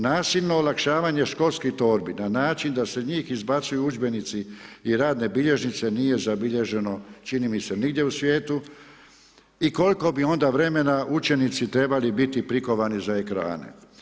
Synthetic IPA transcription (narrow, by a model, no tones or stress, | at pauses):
naːsiʎno̞ːlakʃaːʋaːɲe̞ʃko̞lskit̪o̞ːɾbinanaːt͡ʃind̪ase̞ɲiːxizbat̪sujuud͡ʒbe̞nit̪siiɾaːd̪ne̞biʎe̞ʒnit̪se̞nije̞zabiʎe̞ʒe̞no̞t͡ʃinimise̞niɡd̪je̞usʋje̞ːt̪u | iko̞lko̞bio̞nd̪aʋɾe̞me̞naʔut͡ʃe̞nit̪sit̪ɾe̞balibit̪ipɾiko̞ʋanizae̞kɾa̰ːnḛ